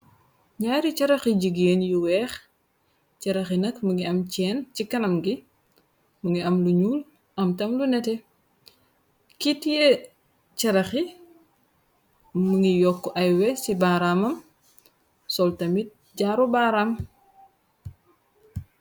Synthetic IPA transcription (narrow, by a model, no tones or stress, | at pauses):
ɲaːɾit͡ʃɐɾɐxiɟiɡeːnjuwɛːx | t͡ʃɐɾɐxinɐkmuŋɡiɐmt͡ʃɛːnt͡ʃikɐnɐmɡi | muŋɡiɐmluɲuːl | ʔɐmtɐmlunɛtɛ | kitije | t͡ʃɐɾɐxi | muŋijɔkːɔʔɐjwɛsibaːɾamɐm | sɔltɐmit̚ | ɟaːɾubaːɾam